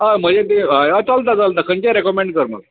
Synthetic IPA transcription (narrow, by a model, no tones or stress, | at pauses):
ɦam̤əd͡ʑet̪eajat͡salt̪̬at͡salt̪akəɲt͡ɕaɾekɔmẽɳɖkəɾməla